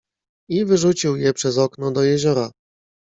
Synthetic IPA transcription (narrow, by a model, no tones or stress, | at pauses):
ivɘʐut͡ɕiwjɛpʂɛzɔknɔd̪ɔjɛʑɔɾa